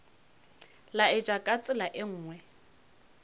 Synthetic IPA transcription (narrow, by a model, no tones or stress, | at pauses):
laɪd͡ʒʼakʼat͡sʼɪlaʔɪŋ̩ːŋwɛ